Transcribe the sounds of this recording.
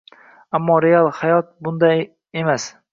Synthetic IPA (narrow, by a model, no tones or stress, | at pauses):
amːɒɾealˠhajɒt̪̚bʊnd̪a | emas